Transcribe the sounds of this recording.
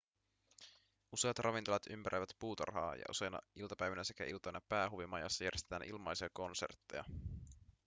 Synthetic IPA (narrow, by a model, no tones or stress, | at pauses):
useɑt̪rʔɑʋint̪olɑt̪ympæɾʔejʋæt̪puːt̪ɑ̰rɦɑ̰ːjɑ̰ʔṵse̞jnɑ̰ilt̪ɑpæjʋænæse̞kæʔilt̪ojnɑpæːɦuʋimɑjɑ̰sːɑjæɾʔest̪t̪æːnʔilmɑjsiɑko̞nse̞̰rt̪ːḛjɑ̰